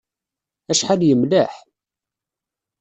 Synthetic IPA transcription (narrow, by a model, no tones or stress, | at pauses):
æʃħaljəmlæħ